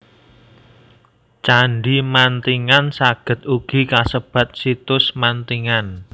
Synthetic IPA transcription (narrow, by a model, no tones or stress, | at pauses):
t͡ʃaɳɖimant̪iŋansaɡ̥ə̤t̪̚uɡ̥i̤kasəb̥ä̤t̪̚sit̪ʊsmant̪iŋan